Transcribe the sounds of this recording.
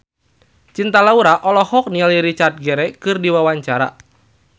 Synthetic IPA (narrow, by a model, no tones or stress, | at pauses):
t͡ʃint̪alauɾaʔɔlɔhɔk̚nialiɾit͡ʃart̪̚ɡɛɾɛkɨrdiwawaɲt͡ʃaɾa̰